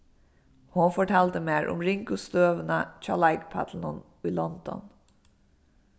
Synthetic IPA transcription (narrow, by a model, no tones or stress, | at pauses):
hʊnfɔʈʰɑːlt̪əmeːɾʔʊ̰mɾɪŋkʊst̪øːʋənəc͡çɑ̰ːɭɑɪkpʰɑ̰t̪ʰl̩nɔn | iːlɔnd̪ɔ̰n